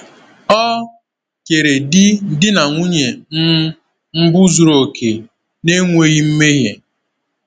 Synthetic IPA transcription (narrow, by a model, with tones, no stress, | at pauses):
ɔ˦ | ke˨ɾe˨dɪ˦˨dɪ˦na˨ŋʷu˦ɲe˨n̩˦ | m̩˦bʊ˦zu˨ɾo˨kʰe˨ | ne˦ŋʷe˦ɣi˦m̩˦me˦ɦje˨